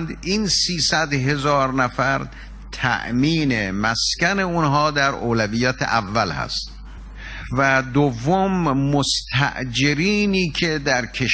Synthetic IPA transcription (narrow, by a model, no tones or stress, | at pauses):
nd̪iːnsiːsæd̪ɦe̞zɒːɾnæfæɾ | t̪ʰæ̰ʔmiːnemæskæne̞unɦɒːd̪æɾʔoːlæviːjæːt̪ʰḛʔævːælhæ̰st̪ | væd̪ovːomːost̪ʰæ̰ʔd͡ʒeɾiːniːkʰed̪æɾkʰeʃ